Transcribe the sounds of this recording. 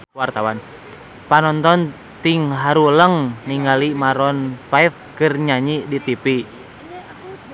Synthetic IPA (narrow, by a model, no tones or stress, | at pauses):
wart̪awan | panɔnt̪ɔn | t̪iŋɦaɾuləŋniŋɡalimaɾɔnpaifkɨrɲaɲidit̪ipi